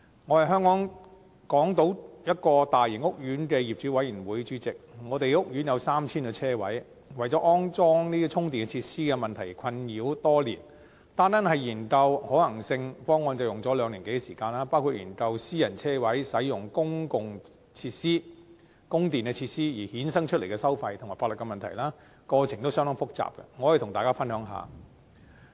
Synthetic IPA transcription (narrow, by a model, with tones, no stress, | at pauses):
ŋɔ˨˧hɐ˨jɦœː˥ŋkɔː˨˥ŋ | kɔː˨˥ŋt̪o˨˥wjɐ˥t̚kɔː˧t̪aː˨jɪ˨˩ŋʊ˥k̚jyː˨˥nkɛː˧jiː˨p̚t͡ʃyː˨˥wɐ˨˥jyː˨˩nwuː˨˥jt͡ʃyː˨˥t͡sɪ˨k̚ŋɔː˨˧t̪e˨jʊ˥k̚jy˨˥njɐ˨˧wsaː˥mt͡sʰiː˥nkɛ˧t͡sʰɛː˥wɐ˨˥j | wɐ˨˩jt͡sɔ˨˥ʔɔː˥ŋt͡sɔː˥ŋniː˥˧t͡ʃʰʊ˥ŋt̪iː˨nɡɛ˧t͡sʰiː˧t̚siː˥kɛ˧mɐ˨˩nt̪ʰɐ˨˩jkʰɐ˧njiː˨˧˥wt̪ɔː˥liː˨˩n | t̪aː˥nt̪a˥nhɐ˨jjiː˨˩nkɐ˧whɔː˨˥lɐ˨˩ŋsɪ˧ŋfɔː˥ŋːɔː˧nt͡sɐ˨˩wjʊ˨˩ŋt͡sɔː˨˥lœː˨˧ŋliː˨˩ke˨˥jɡɛ˧siː˨˩kaː˧nlaː˥paː˥wkʰuː˧t̚jḭː˨˩nkɐ˧wsiː˥jɐ˨˩nt͡sʰɛː˥wɐ˨˥jsɐ˨˥jjʊ˨ŋkʊ˥ŋkʊ˨ŋ | t͡sʰiː˧˥t̚siː˥ | kʊ˥ŋt̪iː˨nkɛ˧t͡ɕʰiː˧t̚siː˥jiː˨˩hiː˨˥nsɐ˥ŋt͡ʃʰɵ˥t̚le˨˩kɛː˧sɐ˥wfɐ˧jt̪ʰʊ˨˩ŋmaː˨˩fa˧˥lɵ˨t̚kɛ˧mɐ˨nt̪ʰɐ˨˩jlaː˥ | kɔː˧t͡sʰɪ˨˩ŋt̪o˥wsœː˥ŋt̪ɐ˥ŋfʊ˥k̚t͡sa̰ː˨p̚kɐ̰˧ŋɔː˨˧jɐ˨˩t̪ʰʊ˨˩ŋt̪aː˨kaː˥fɐ˥nɦœː˨˥ŋɦa̰ː˨˧